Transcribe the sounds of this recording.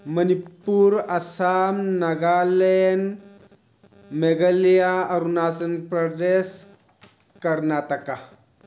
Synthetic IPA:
mənipuːɾəsamnəɡalen | meɡəljaəɾunasənpɾəd̪es | kəɾnat̪aka

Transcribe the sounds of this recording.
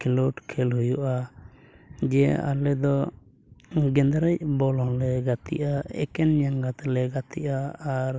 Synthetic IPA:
kʰɛlɔʈkʰɛlɦujuʔa | d͡ʒɛa̰lɛd̪ɔ | ɡɛnd̪ɾɛc̚bɔlɔ̃lɛɡat̪ḭʔaɛ̰kɛnɲaŋɡat̪lɛɡat̪iʔaːɾ

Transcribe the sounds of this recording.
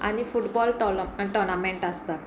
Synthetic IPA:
a̰nifuʈbɔlʈɔʈɔnameɳʈast̪a

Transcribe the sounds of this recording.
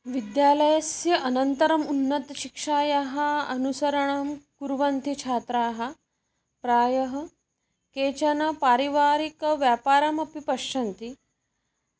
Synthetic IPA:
ʋid̪jaːlɐjɐsjɐʔɐnɐnt̪ɐɾɐmunːɐt̪ɐʃikʂaːjaɦɐɐnusɐɾɐɳɐmkuɾʋɐnt̪it͡ʃʰaːt̪ɾaːɦɐ̆ | pɾaːjɐɦɐ | keːt͡ʃɐnɐpaːɾiʋaːɾikɐʋjaːpaːɾɐmɐpipɐʃɐnt̪i

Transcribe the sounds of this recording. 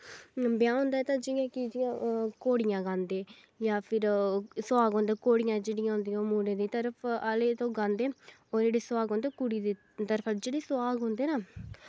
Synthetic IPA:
bjãːɦʊ̃ːnd̪aːɛːt̪ãːd͡ʒiːãːkid͡ʒiãːkoːɽɪjãːɡãːnd̪eː | jaːpʰɪɾsaːɡɦõːnd̪eːkoːɽɪjãːd͡ʒeːɽɪjãːɦʊ̃ːnd̪ijãːmuːɾẽːd̪iːt̪əɾəpʰəleːt̪õːɡãːnd̪eː | oːd͡ʒeːɽeːswaːɡɦõːnd̪eːkʊɽiːd̪eː | t̪əɾpʰəld͡ʒeːɽiːsʊwaːɡɦõːnd̪eːnaː

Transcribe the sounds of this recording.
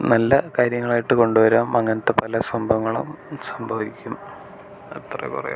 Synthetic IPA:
nɐlːɐkaːɾjɐŋːɐɭaːjiʈːɨko̞ɳɖuʋɐɾaːmɐŋːɐnɐt̪ːepɐlɐsɐmbʱɐʋŋːɐɭumsɐmbʱɐʋikʲːum | ɐ̰t̪rɐ̰kṵrɐ̰jṵm

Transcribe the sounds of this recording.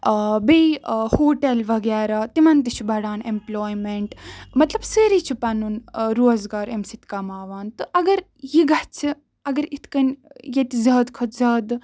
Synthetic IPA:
bejhoːʈelʋɐɡaːɾaːt̪imɐnt̪it͡ʃʰibɐɽaːnemploːjmeɳʈmɐt̪lɐbsəɾit͡ʃʰipɐnunɾoːzɡaːɾemsit̪kamaːʋaːnt̪ɨʔɐɡɐɾ | jiɡɐt͡sʰi | ɐɡɐɾit̪ʰkɐnjet̪izɐːd̪kʰɐt̪zɐːd̪

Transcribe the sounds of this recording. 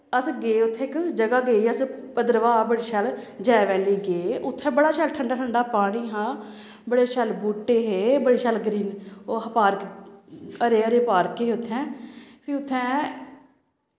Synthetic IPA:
əsɡeːʊt̪ʰːẽːɪkd͡ʒəɡaːɡeːiːəspəd̪əɾʋaːbəɽiːʃəld͡ʒɛːʋɛːliːɡeːʊt̪ʰːɛ̃ːbəɽaːʃəːlʈʰəɳɖaːʈʰəɳɖaːpaːɽ̃iːɦãː | bəɽeːʃəlbuːʈːeːɦeːbəɽiːʃəːlɡɾiːnopaːɾk | əɾeːəɾeːpaːɾkeːɦːʊt̪ʰːɛ̃ːpʰɪʊt̪ʰːɛ̃ː

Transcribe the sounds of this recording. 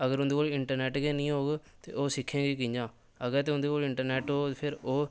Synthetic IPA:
əɡəɾʊnd̪eːkoːlɪɳʈəɾnɛːʈɡeːnĩːɦoːɡt̪ḛːʔoːsɪkʰːẽːɡiːkɪ̃ɲd͡ʒãː | əɡɛːt̪̬eːʊ̃nd̪eːkoːlɪɳʈəɾnɛːʈɦoːpʰɪɾoː

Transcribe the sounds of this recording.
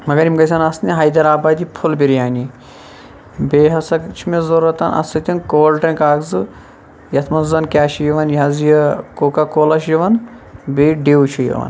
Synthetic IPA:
mɐɡɐɾimɡɐsʲɐnɐsnʲiɦɐːjd̪ɐɾaːbaːd̪ʲipʰulbiɾjaːni | beːɦɐsɐkt͡ʃʰimezɐɾɐt̪ɐnɐ̰sɐt̪ʲinkoːlʈɾɐ̃nkaːɡzɨ | jɐt̪ʰmɐnzɐnkʲaːʃijɐʋɐnjɐzjɐkoːkakoːlɐʃjɐʋɐn | beːɖeːwt͡ʃʰijḭʋɐ̰n

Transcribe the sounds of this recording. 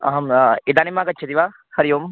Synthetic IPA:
ɐ̰ɦɐmid̪aːnimːaːkɐt͡ʃːt͡ʃʰɐt̪iʋaː | kɐɾijoːm

